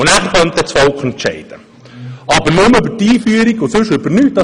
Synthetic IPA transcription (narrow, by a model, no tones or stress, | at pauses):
ʊnæːχəɾχœnt̪ɛt͡sfɔlkχɛntʃɛ̰ɪd̪̥ə | ɑbəɾnʊmʏbətiːfyəɾiɡʊsʉʃʏbənyːt̚d̥ɑ